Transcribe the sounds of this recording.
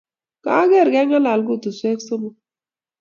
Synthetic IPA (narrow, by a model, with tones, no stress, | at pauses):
ka̰˦ɡɛ˦˨ɾɡɛ˦ŋa˦la˨lɡu˦˨t̪u˨sʷe˦kso˦mu˨